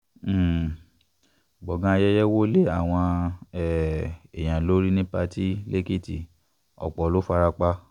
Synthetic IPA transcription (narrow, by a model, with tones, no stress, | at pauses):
ɡ͡bɔ˨ɡã˧a˧jɛ˦jɛ˦wo˦le˦a˦˨w̃ɔ̃˧ɛ˦ɛ˨j̃ã˨lo˨˦ɾi˦nĩ˦pa˧ti˦le˦ke˦˨ti˨ | ɔ̰˨k͡pɔ˨lo˦fa˧ɾa˧k͡pa˧